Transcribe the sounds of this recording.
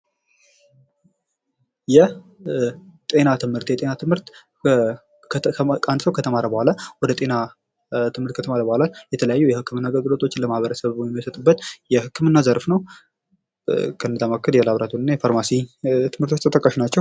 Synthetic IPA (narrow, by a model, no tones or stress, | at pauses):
jɛ | t̪ʼe̞nat̪ʰɨmhɨɾt̪jɛt̪ʼe̞nat̪ʰɨmhɨɾt̪ | kʼand̪səwkʰət̪ʰəmaɾəbəhʷalawɔd̪ət̪ʼe̞na | t̪ʰɨmhɨɾt̪kʰət̪ʰəmaɾəbəhʷalaljɛt̪ʰələjajːujɛhɨkʰːɨmɨnːaɡəlɡɨlo̞t̪ʰʼo̞t͡ʃːɪnləmahβəɾəsəβjɛmiəsət̪ʼɨbːət̪jɛhɨkːɨmɨnːazəɾfnəw | kʰənːɨd̪amakʰːɨd̪jalaβɾat̪ʰunɨnːajifaɾmasit̪ʰɨmhɨɾt̪ʰot͡ʃːt̪ʰət̪ʼəkʼːəʃinat͡ʃːɛw